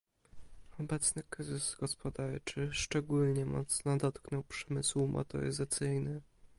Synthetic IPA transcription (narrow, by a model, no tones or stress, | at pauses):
ɔbɛt̪snɘkɾɘzɘzɡɔspɔd̪aɾt͡ʂɘʂt͡ʂɛɡulɲɛmɔ̰t̪snɔd̪ɔt̪knɔwpʂɛmɘswmʔɔ̰t̪ɔ̰ɾɘ̰zat̪sɘjnɘ